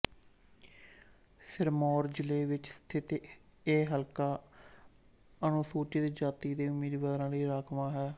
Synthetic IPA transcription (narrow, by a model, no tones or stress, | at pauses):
sʰɪɾmɔːɾd͡ʒɪleːʋɪt͡ʃst̪ʰɪt̪eːɦəlkaː | ənõːsoːt͡ʃːd̪eːd͡ʒaːt̪iːd̪eːʊmiːd̪bəd̪ɾãːləːɾaːkʰmãːɦɛː